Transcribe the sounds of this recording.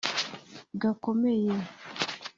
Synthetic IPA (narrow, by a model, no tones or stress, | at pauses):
ɡakomeje